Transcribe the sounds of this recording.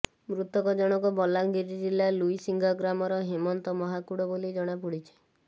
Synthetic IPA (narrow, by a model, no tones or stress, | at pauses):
mɾut̪ɔkɔd͡ʒɔɽ̃ɔkɔbɔlaɡiɾid͡ʒilaluisiŋɡɔɡɾamɔɾɔɦimɔnt̪ɔmɔɦakuɽɔbolid͡ʒɔɽ̃apuɽit͡ʃʰe̥